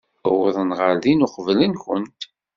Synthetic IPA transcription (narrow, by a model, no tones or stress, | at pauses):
wðˤənʁəɾðinʊqəvlənkʷənt̪